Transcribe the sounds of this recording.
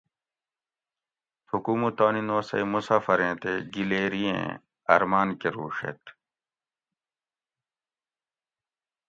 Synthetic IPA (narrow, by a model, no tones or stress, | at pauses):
tʰukuːmut̪oːninoːsɐ̰imusaːfɐɾẽːt̪eɡileːɾiḛ̃ː | ɐ̰ɾmaːnkeɾuːʂḛt̪